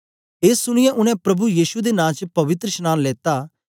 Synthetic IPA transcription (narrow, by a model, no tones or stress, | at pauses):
eːsːʊɽ̃ɪjɛ̃ʔʊñɛ̃pɾɐbujiːʃud̪enãːt͡ʃpɐʋɪt̪ɾəʃnãːnleːt̪a